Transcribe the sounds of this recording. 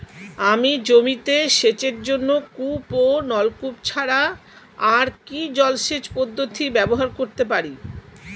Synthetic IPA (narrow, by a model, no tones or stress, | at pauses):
amid͡ʑomit̪eʃet͡ɕeɾd͡ʑonːokuponɔlkupt͡ɕʰaɾa | aɾkid͡ʑɔlʃet͡ɕpod̪ːot̪ʰibɛboɦaɾkoɾt̪epaɾi